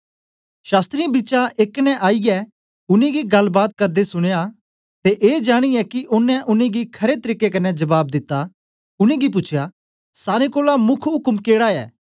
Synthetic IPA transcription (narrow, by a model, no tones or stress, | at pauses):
ʃaːst̪ɾiãbiːt͡ʃaʔeːknɛ̃ʔaːijɛ | ʊnẽɡiɡɐlːbaːt̪̚kɐɾd̪esʊɽ̃eja | t̪eʔeːd͡ʒaːɽ̃iɛkiʔʊnːɛ̃ʔʊnẽɡikʰɐɾet̪ɐɾiːkːekɐnɛd͡ʒɐbaːb̚d̪ɪt̪ːa | ʊnẽɡip̬ʊt͡ʃʰja | saːɾekoːlamʊkʰɦʊkmkeːɽaɛ̰ː